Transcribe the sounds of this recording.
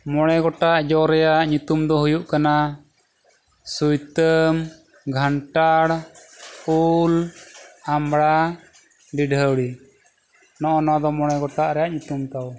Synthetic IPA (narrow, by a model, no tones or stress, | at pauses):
mɔɽ̃ɛɡɔʈaʔd͡ʒɔɾɛjaʔɲut̪umd̪ɔɦujuʔkana | sujt̪əm | ɡʱaɳʈaɽ | ul | amɽa | ɖiɖʱəwɽi | nɔʔɔnad̪ɔmɔɽ̃ɛɡɔʈaʔɾɛjaʔɲut̪umt̪aw